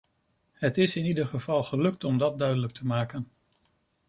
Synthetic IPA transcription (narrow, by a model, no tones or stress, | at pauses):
ɦətɪsɪnidəχəvɑlˠχəlɵk̚tɔmdɑt̚dœɥdələk̚tʰəmaːkən